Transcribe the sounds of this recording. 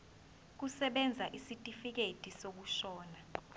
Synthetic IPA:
k̬usɛɓɛnd͡zʱaʔisitʼifik̬etʼisok̬uʃɔːna

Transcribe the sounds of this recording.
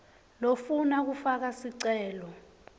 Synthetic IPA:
lofunak̬ufak̬asiǀɛːlɔ

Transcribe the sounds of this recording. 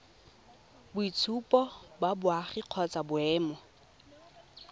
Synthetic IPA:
bʊit͡sʰupʼɔbabʊaχiq͡χʰɔt͡sabʊɛːmɔ

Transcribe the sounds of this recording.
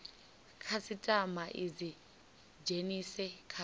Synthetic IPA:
kʰasitʼamaʔid͡zi | d͡ʒenisɛkʰa

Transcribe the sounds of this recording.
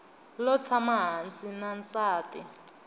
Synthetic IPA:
lɔt͡sʰamaɦant͡sʼinant͡saːtʼi

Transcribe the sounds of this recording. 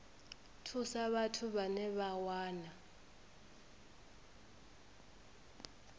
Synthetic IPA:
tʰusaɓatʰuɓanɛɓawaːna

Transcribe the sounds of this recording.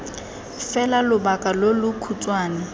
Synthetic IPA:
fɛlalʊbakʼalolʊkʰut͡sʼwaːnɪ

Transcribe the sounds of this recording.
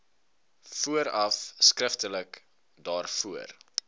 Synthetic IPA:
fuəɾɐfskrəftələk | dɑːrfuər

